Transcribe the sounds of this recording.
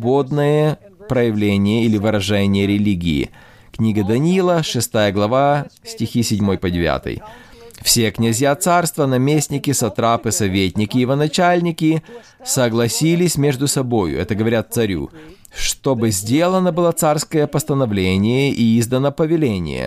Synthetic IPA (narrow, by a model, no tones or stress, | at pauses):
bod̪nəjə | pɾəjɪvlʲenʲɪjəilʲɪvɨɾɐʐɛnʲɪjəɾʲɪlʲiɡʲɪ̰ɪ̰ | knʲiɡəd̪ɐnʲilˠəʂɨst̪ajəɡlˠɐvasʲtʲɪxʲisʲɪdʲmo̞jpədʲɪvʲa̰t̪ɨ̰j | fsʲe̞knʲɪzʲjat̪sarst̪vənɐmʲesʲnʲɪkʲɪsɐt̪ɾapɨsɐvʲetʲnʲɪkʲɪjɪvənɐt͡ɕalʲnʲɪkʲɪ | səɡlˠɐsʲilʲɪsʲmʲe̞ʐd̪ʊsɐbo̞jʊ̰ɛt̪əɡəvɐɾʲat̪̚sɐɾʲṵ | ʂt̪o̞bɨzʲdʲe̞lˠənəbɨlˠat̪sarskəjəpəst̪ənɐvlʲenʲɪjəʔiizd̪ənəpəvʲɪlʲenʲɪ̰jə̰